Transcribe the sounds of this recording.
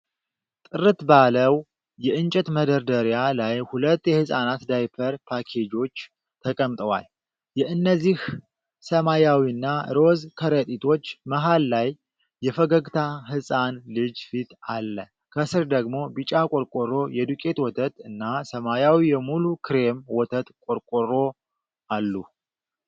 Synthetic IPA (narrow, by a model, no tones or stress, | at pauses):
t̪ʼɨɾɨt̪baləw | jɛʔɨnt͡ʃʼɛt̪məd̪əɾd̪əɾjalajhulət̪ːjɛhɨsʼanat̪d̪ajpʰəɾpʰakʰe̞d͡ʒo̞t͡ʃː | t̪ʰəkʼəmt̪ʼəwa̰l | jɛʔɨnːəzːih | səmajawiɨnːaɾo̞zkʰəɾət̪ʼit̪ʰo̞t͡ʃːməɦalːajː | ɛfəɡəɡt̪ʰaɦɨsʼanlɨd͡ʒfit̪ʰalːə | kʰəsɨɾd̪əɡmo̞bɨt͡ʃʼakʼoɾkʼorːo̞jɛd̪ukʼe̞t̪wɔt̪ʰət̪ʼɨnːasəmajawijɛmulukʰɨɾe̞mwɔt̪ʰət̪kʼoɾkʼorːo̞ | alːu